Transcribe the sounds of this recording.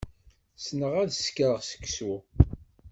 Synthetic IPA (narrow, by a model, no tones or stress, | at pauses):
snəʁæðskɾəʁsə̥kːsu